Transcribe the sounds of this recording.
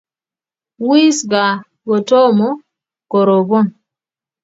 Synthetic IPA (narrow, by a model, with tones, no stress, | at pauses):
wi˦sɡa˨ | ɡɔ˨tɔ˦mɔ˦ | kɔ˨ɾo˨bɔ˦n